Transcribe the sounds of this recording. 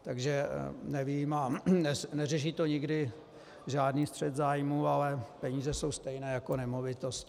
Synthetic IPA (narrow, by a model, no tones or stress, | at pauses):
t̪aɡʒɛnɛviːmanɛnɛrɛʃ̬iːt̪o̞ɲɪɡdɪ | ʒaːdniːst̪r̝̥ɛt̪zaːjmuːalɛpɛɲiːzɛso̞wst̪ɛjnɛːjako̞nɛmo̞vɪt̪osc